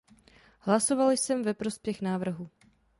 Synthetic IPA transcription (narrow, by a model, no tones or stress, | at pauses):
hlaso̞valɪsɛmvɛpɾo̞spjɛxnaːvr̩ɦu